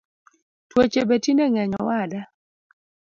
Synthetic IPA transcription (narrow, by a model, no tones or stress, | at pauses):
twot͡ʃebetinɛŋɛɲɔ̰wada